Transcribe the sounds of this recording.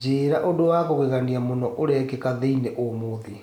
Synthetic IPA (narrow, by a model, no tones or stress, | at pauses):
d͡ʒeːɾaʔodowakoɣeɣaniamonɔʔoɾɛkɛkaðeineʔomoðe